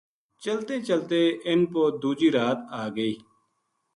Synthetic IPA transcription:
t͡ʃəlt̪eːt͡ʃəlt̪eːʔɪnpoːd̪uːd͡ʒiːɾaːt̪aːɡəiː

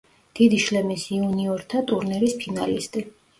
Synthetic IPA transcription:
d̪̥id̪iʃlɛmisiuniɔɾt̪ʰat̪ʼuɾnɛɾispʰina̰lḭst̪ʼi

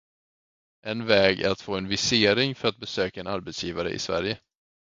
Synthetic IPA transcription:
ʔɛnvɛːɡæ̰ɾat̪foːɛnvɪseːɾɪŋfœɾat̪̚bɛsøːkaɛnaɾbɛt̪sjiːvaɾə̰ʔɪ̰svæ̰ɾjə

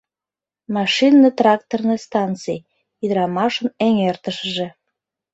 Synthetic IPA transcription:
mɑʃinːət̪rɑk̚t̪ornest̪ɑnt͡sij | id̪əɾɑmɑʃəneŋert̪əʃəʒe

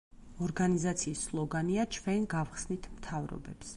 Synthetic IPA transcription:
ɔɾɡanizat̪sʰiːsːlˠɔɡaniat͡ʃʰvɛnɡavχsnit̪ʰmt̪ʰavɾɔ̰bɛps

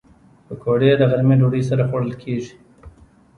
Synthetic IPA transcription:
pəkʰoɖed̪əɣaɾmeɖoɽəjsaɾaxoɽəlkʰeʐi̥

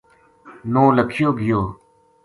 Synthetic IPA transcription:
nõːləkʰɪjoːɡɪjoː

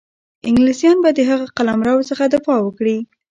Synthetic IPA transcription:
ɪŋɡlisjɑnbad̪əɦaɣaqalamɾɑwsəxad̪afɑwəkɽi

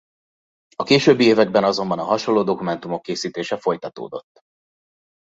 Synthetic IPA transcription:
ɒkeːʃøbːieːvɛɡbɛnɒzo̞mbɒnɒɦɒʃo̞lːoːd̪o̞kumɛnt̪umo̞kːeːsiːt̪eːʃɛfo̞jt̪ɒt̪o̰ːd̪o̞̰t̪ː

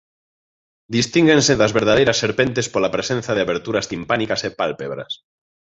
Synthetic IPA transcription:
d̪ist̪iŋɡenseðazβeɾð̞að̞ejɾasːeɾpe̞nt̪espolapɾesenθaðeaβeɾt̪uɾast̪impanikasepalpeβɾa̰s

